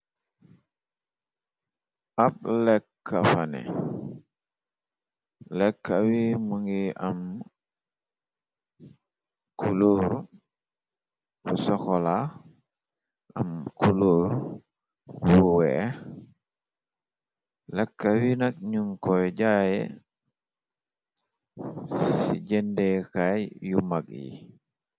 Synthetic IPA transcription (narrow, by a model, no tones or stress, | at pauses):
ap̚lɛkːafanɛ̰ | lɛkːawimuŋɡiʔam | kuluːɾ | kusɔxɔla | amkuluːɾ | wuwɛ | lɛkːawinakɲuŋkɔjɟajɛ̰ | sḭɟɛndɛkajjumakjḭ